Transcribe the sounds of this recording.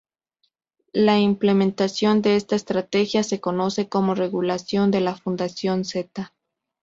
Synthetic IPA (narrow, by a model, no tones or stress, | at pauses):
laimple̞mẽnt̪asjo̞nd̪e̞e̞st̪aest̪ɾat̪e̞xjase̞ko̞no̞se̞ko̞mo̞re̞ɣulasjo̞nd̪e̞lafund̪asjo̞nse̞t̪a